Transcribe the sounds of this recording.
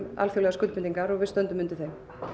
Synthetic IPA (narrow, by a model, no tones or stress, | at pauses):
a̰lfjɔwlɛɣaskʏlpɪnt̪iŋkaɾɔɣvɪðst̪œnt̪ʏmʏnt̪ɪθejm